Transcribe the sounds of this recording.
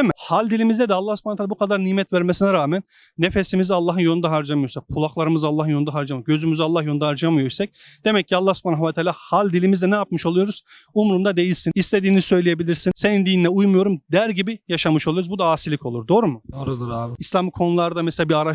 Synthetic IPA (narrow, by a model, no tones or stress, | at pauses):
ɛmihalʲd̪ilʲimizd̪ɛd̪ɛalˠːahsy̥pʰanat̪ʰalːabukʰad̪aɾnimɛt̪væɾmesinɛɾaːmænː | e̞fesimizialˠːaːɦɯnjo̞nud̪aɦaɾd͡ʒamɯjosak̚pʰulˠaklˠaɾɯmɯzalˠːaɦɯnjo̞nd̪aɦaɾd͡ʒamɯɟø̞zymyzialˠːahjod̪aɦaɾd͡ʒamɯjojsɛc̚d̪̥e̞mɛcːʰialˠːahsupʰaːnaɦvat̪ʰaːlʲaːhalʲd̪ilʲimizd̪ɛnɛjapmɯʃo̞lˠujo̞ɾuz̥umɾumd̪ad̪e̞jilʲsinist̪ʰe̞d̪iːnisø̞jlʲejebilʲiɾsinse̞nind̪iːninɛujmujo̞ɾumd̪æɾɟibijaʃamɯʃolˠujouzbud̪aaːsilʲikʰo̞lˠuɾd̪o̞ːɾumʊd̪oɾud̪uɾaislʲamɯkʰo̞nulˠaɾd̪amɛselʲabiaɾa